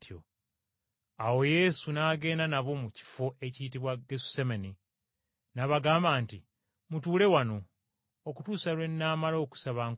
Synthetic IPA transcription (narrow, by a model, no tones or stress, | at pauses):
tjo̰ | awo̞je̞ːsunaːɡe̞ːndanaβo̞muci̥fo̞ʔe̞citiβwaɡesu̥semeni | naβaɡaːmbaːnti | mutuːle̞wano̞ː | kutuːsalwe̞nːaːmalo̞ːku̥saβaŋ